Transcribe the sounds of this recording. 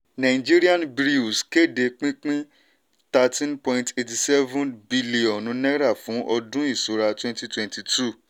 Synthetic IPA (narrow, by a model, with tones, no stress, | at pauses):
nã˨ĩ˨d͡ʒi˦ɾi˦a˦nbɾi˦u˨ske˦˨de˧k͡pĩ˦k͡pĩ˦ | ta˧tĩ˦npɔ̃˧ĩnte˨ti˨sɛ˦vũ˦nbi˦li˨ɔ̃˨nũ˧˦nɛ˦ɾa˦˨fũ˨˦ʔɔ˧dũ˦i˦˨su˨˧ɾa˧twɛ̃˦nti˧twɛ̃˨nti˨tu˦˨